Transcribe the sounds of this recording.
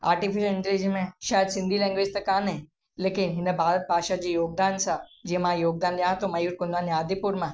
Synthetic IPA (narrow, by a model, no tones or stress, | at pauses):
aːɾʈifɪʃəlɪ̃ɳʈɾid͡ʒimẽʃaːjəd̪sɪ̃nd̪ʱilɛ̃ːŋɡʋɪd͡ʒt̪ɐkaːnɦɛ̃ | leːkɪnɦɪnẽbʱaːɾət̪̚bʱaːʃad͡ʒijoːɡ̚d̪aːnsad͡ʒimãːjoːɡ̚d̪aːnliãt̪omɐjuːɾkʊnd̪aːnaːd̪ipuɾmã